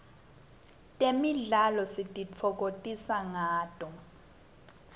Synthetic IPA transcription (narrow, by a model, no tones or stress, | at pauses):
tʼemiɮalɔsitʼit͡fʰɔk̬otʼisaŋaːtʼɔ